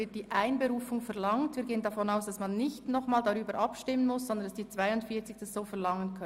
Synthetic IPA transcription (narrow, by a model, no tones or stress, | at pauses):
ɪt̚d̥iːʔaɪnbeɾuːfʊŋfɛʁlɑŋtviːɡeːəndafɔnaʊsd̥ɑsmɑnːɪçtnɔχmaːldaʁyːbəɾʔɑpʃtɪmːənmʊszɔnd̪ənd̥ɑsd̥iːt͡sv̥aɪʊntfiːɐt͡sɪçd̥asz̥oːfɛɐlɑŋənkʰœ